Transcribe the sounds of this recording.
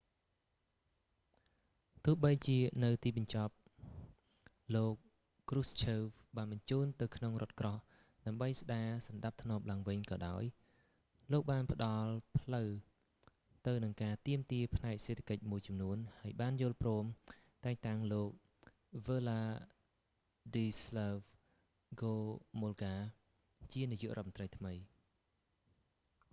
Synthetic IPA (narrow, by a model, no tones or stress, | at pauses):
t̪ʊ̆əhɓəjt͡ɕiənɨwt̪iːɓɑɲt͡ɕɑp̚ | loːk̚ː | rust͡ɕʰəːwɓaːnɓɑɲt͡ɕuːnt̪ɨwkʰnoŋrʔŏət̪̚krɑh | ɗaəmɓəjsɗaːsɑnɗap̚t̪ʰnŏəp̚laəŋʋɨɲkɑːɗaɔj | loːk̚ɓaːnpə̆ɗɑlpʰləw | t̪ɨwnɨŋkaːt̪iəmt̪iəpʰnaɛk̚seːt̪ʰḁkəc̚muəjt͡ɕɑmnuənhaəjɓaːnjʊ̆əlprɔːm | t̪aɛŋt̪aŋloːk̚ | ʋəːlaː | diːslaʋ | ɡoːmolɡaː | t͡ɕiənijṵəʔroɔət̪məntrəjt̪ʰməj